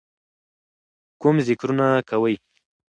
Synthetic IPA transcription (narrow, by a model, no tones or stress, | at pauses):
kʊmzɪkɾunakawəj